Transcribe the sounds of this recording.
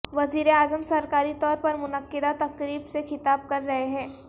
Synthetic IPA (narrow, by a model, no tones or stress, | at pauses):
ʋɐziːɾeaːzəmsɐɾkaːɾit̪ɔːɾpɐɾmʊnəkːɪd̪at̪ɐkɾiːbsexɪt̪aːb̚kɐɾːɐɦeɦɛ̃ː